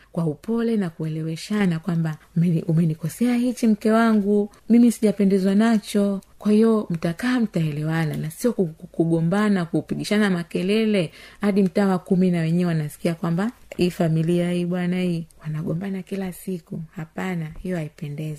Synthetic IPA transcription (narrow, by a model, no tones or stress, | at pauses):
kwaupɔlɛnakuɛlɛwɛʃanakwambamɛumɛnikɔsɛahit͡ʃim̩kɛwaŋɡu | mimisiʄapɛndɛzwanat͡ʃɔkwahiɔm̩takaːm̩taɛlɛwananasiɔkukuɠɔmbanakupiɠiʃanamakɛlɛlɛhaɗim̩taːwakuminawɛɲɛɛwanasi̥kiakwambahifamiliaiɓwanaiwanaɠɔmbanakilasikuhapanahijɔaipɛndɛzɛ